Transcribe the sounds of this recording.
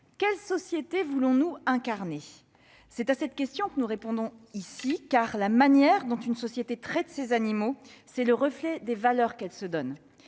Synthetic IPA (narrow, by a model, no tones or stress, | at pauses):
kʲɛlsɔsjet̪evulɔ̃nuɛ̃kaʁne | sɛt̪asɛt̪kʲɛst̪jɔ̃kənuʁepɔ̃d̪ɔ̃isikaʁlamanjɛʁd̪ɔ̃t̪ynsɔsjet̪et̪χɛt̪sezanimosɛləʁəflɛd̪evalœʁkɛlsəd̪ɔn